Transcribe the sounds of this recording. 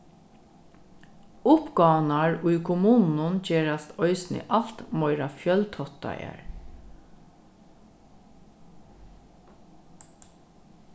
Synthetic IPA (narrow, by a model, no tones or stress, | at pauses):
ʊpɡɑːwnaɹʊjkʰʊmuːnnʊnt͡ʃeːɹast̪ɔʏsnɪ̰ʔalt̪mɔʏɾafjœlt̪ʰɔt̪a̰ja̰ɹ